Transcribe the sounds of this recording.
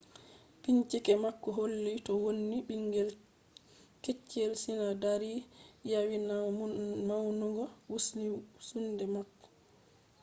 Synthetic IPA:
piɲt͡ʃikɛmakːɔɦolːitɔwonːiɓiŋɡɛl | ket͡ʃːɛlsinadaɾijawinamawnuɡɔwusnisundɛmakːɔ̥

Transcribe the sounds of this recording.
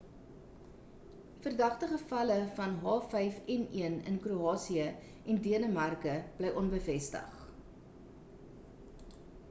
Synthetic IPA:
fərdɐχtəχəfɐləfɐnɦɑːfɛjfɛniənə̰nkruɑːsiə | ɛndiənəmɐrkəb̥lɛjʔɔnbəfɛstə̰χ

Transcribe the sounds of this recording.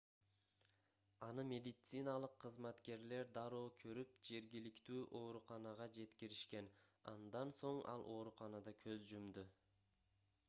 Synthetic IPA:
ɑnɯmʲe̞d̪ɪt̪sɨnɑlˠɯqʰːɯzmɑt̪ke̞ɾle̞ɾd̪ɑɾoːkʰøɾyp̚d͡ʒe̞ɾɡʲilikt̪yːʔo̞ːɾuqɑnɑʁɑd͡ʒe̞t̪kiɾiʃke̞nɑ̰nd̪ɑnso̞ɴɑ̰lˠʔo̞ːɾuqɑnɑd̪ɑkʰøzd͡ʒumd̪u

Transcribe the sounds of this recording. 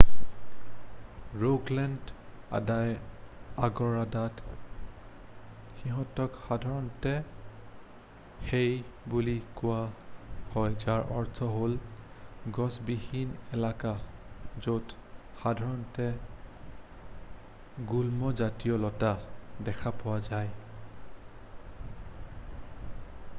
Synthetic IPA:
ɹoklɛnd | a̰dajaɡɔɹadat | xiɦɔtɔkxadʱaɹɔntɛ | xejbulikʊwahɔjd͡ʒaɹʔɔɹtʰɔɦol | ɡɔsbihinɛlakazot | xadʱaɹɔntɛ | ɡulmɔzatijɔlɔtadɛkʰapɔwazaj

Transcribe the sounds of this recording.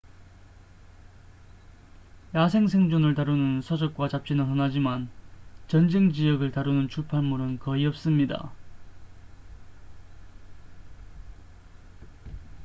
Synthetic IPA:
jasʰe̞ŋsʰe̞ŋd͡ʑonɯɭtaɾunɯnsʰʌd͡ʑʌk̚k͈wat͡ɕap̚t͡ɕ͈inɯɭɦʌnad͡ʑimant͡ɕʌnd͡ʑeŋd͡ʑijʌɡɯɭtaɾunɯnt͡ɕʰupʰanmuɾɯnkʌiʌp̚s͈ɯmɲida̰

